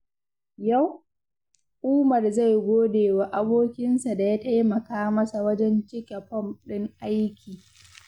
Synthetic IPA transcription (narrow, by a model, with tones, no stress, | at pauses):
ja˦˨w | ʔʊː˦mɐ˨rza˦˨jɡʷoː˦deː˨wa˨ʔa˦boː˦kʲɪ˦nsa˨da˨ja˦ta˦jmɐ˨kaː˦mɐ˦sa˨wɐ˦d͡ʒɛ˦nt͡ʃɪ˦kʲe˨ɸɔ˦˨mɗɪ˦ŋʔa˦jkʲiː˨